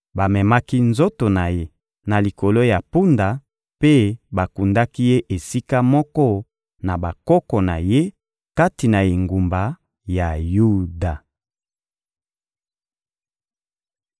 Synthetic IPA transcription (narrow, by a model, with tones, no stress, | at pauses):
ba˨mɛ˨ma˦ki˦nzo˦to˨na˨je˦ | na˨li˨ko˨lo˦ja˨pu˦nda˨ | pe˦ba˨ku˨nda˦ki˦je˦ʔe˨si˦ka˦mɔ˦kɔ˦ | na˨ba˨kɔ˦kɔ˨na˨je˦ | ka˦ti˨na˨e˨ŋɡu˨mba˨ | ja˨ju˦da˨